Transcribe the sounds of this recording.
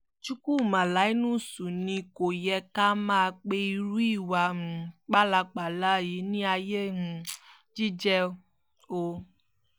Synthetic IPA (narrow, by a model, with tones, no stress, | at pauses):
t͡ʃu˦ku˦˨mã˨la˨˦i˦nũ˦˨su˨nĩ˧ko˨jɛ˧ka˦mãː˦˨˧k͡pe˦i˧ɾu˦i˦˨wa˧m̩̃˨k͡pa˦la˧k͡pa˨la˨˦˨ji˨˦nĩ˦a˧je˦ũ˨˦ | d͡ʒi˦d͡ʒɛ˦˧˦ | o˧